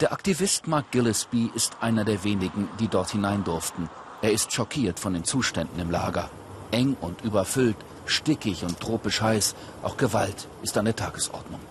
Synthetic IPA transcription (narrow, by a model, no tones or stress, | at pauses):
d̥eːɐʔaktivɪstmaɐk̚ɡ̥ɪlɪsb̥iɪstʔaɪnɐdeːɐveːnɪɡŋ̩diːdɔɐthɪnaɪndʊɐftn̩ | ʔeːɐɪstʃɔkʰiːɐtfɔndeːnt͡suːʃtɛndn̩ɪmla̰ːɡɐ | ʔɛŋʊntʔyːbɐfʏlt | ʃtɪkɪçʊnt̚d̥ʁ̥oːpəʃhaɪs | ʔaʊxɡ̥əvaltʔɪstandeːɐtʰaːɡəsʔɔ̰ɐdnʊ̰ŋ